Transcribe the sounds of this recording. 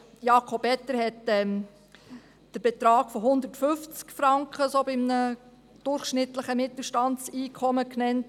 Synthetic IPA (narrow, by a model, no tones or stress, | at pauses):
jɑːkʰɔpɛt̪ːəɾhɛtɛm | d̥əɾb̥ɛt̪ɾɑːɡ̥fɔɦʊnd̪ətfʏft͡skfɾɑŋkχəsoːbɪmnə | d̥ʊɾχʃnɪt̪ləχəmɪt̪l̩ˠʃtɑnt͡siːkʰɔməknɛnt